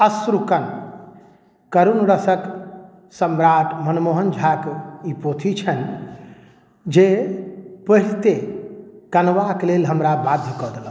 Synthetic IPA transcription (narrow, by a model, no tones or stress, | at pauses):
əsɾukən | kəɾunɾəsək | səmɾaʈʰmənmoɦənd͡ʒʱakipot̪ʰit͡ʃʰən | d͡ʒe | pəɦilt̪e | kənʋaklelɦəmɾabad̪ʱjəkɔd̪elə